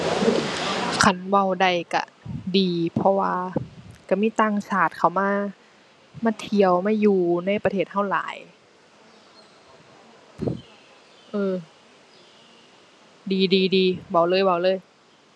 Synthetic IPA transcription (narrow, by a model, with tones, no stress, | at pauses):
kʰa˧˩nwa˧˩˨wda˧˩jka̰˧˩diː˨˩pʰɔ˧waː˧ka˧˩miː˧˥˨t̪aː˧˩ŋsaː˧˨˩t̪̚kʰa˧˩wmaː˧˥˨ | maː˧˥˨t̪ʰi˧˩əwmaː˧˥˨juː˨˩na˧˥˩jpa˧t̪ʰeː˧˩t̪̚ha˧˥˩wla̰ː˨˦j | ʔɤː˧˩ | diː˨diː˨˩diː˨˧wa˧˩wlɤː˧˥˨jwa˧˩wlɤː˧˥˨j